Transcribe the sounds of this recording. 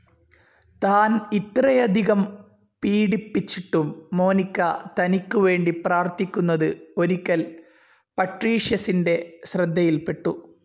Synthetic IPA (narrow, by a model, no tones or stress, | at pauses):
t̪aːnit̪rɐjɐd̪ʱiɣɐm | piːɽipːit͡ɕːiʈːumːo̞ːnikʲːɐt̪ɐnikʲːuʋe̞ːɳɖipraːrt̪ikʲːunːɐðɨo̞ɾikʲːɐl | pɐʈriːʂjɐsinde̞ɕrɐd̪ʱːɐjilpe̞ʈːu